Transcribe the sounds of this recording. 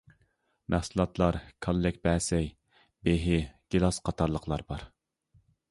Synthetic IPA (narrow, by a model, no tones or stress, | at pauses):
mæhsɨlˠɑt̪ʰlˠɑɾkʰolːɪkʲbɛːsɛj | beɦɪɡ̥ʲelˠɑsqʰɑt̪ʰɑɾlˠəqʰlˠɑɾbɑɾ